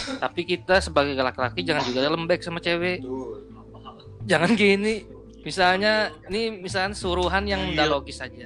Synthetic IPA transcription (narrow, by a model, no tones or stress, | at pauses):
t̪apikit̪asəbaɡajɡəlakilakid͡ʒaŋand͡ʒuɡaaləmbɛk̚samat͡ʃewɛ | d͡ʒaŋankini | misalɲanimisalɲasuɾuɦanjaŋdaloɡɪsad͡ʒa